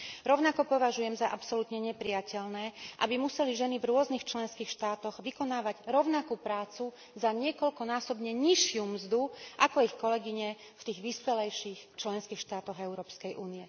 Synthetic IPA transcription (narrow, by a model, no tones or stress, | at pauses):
ɾɔʊnakɔpɔʋaʒujɛmzaʔapsɔlut̪ɲɛɲɛpɾijacɛʎnɛːʔa̰bimusɛliʒɛnivɾʊɔznixt͡ʃlɛnskiːxʃt̪aːt̪ɔɣʋikɔnaːʋaɟɾɔʊnakupɾaːt͡su | zaɲɪɛkɔʎkɔnaːsɔbɲɛɲiʃɪumzd̪uʔakɔixkɔlɛɡiɲɛ | ft̪iːɣʋiːspɛlɛjʃiːxt͡ʃlɛnskiːxʃt̪aːt̪ɔɣɛʊɾɔːpskɛjʔuːnijɛ